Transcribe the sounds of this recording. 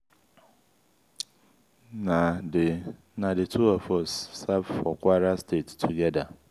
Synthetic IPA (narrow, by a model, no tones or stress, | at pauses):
nãde | nãdetʰuafɔsːavfɔkʰwaɾastʰettʰuɡɛda